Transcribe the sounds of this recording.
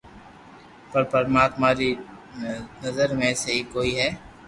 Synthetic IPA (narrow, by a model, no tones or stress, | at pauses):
pɐɾpɐɾmaːt̪maɾi | nɐzəɾmẽsɐɦikoːiɦɛː